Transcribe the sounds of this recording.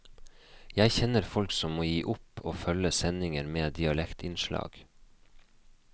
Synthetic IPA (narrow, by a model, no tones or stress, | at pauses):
jæɪçɛnəɾfɔlksɔmːoːjiːʔʊpoːfœləsɛnɪŋəɾmeːd̪ɪɑlɛkt̪ʰɪnʃlɑ̰ːɡ̥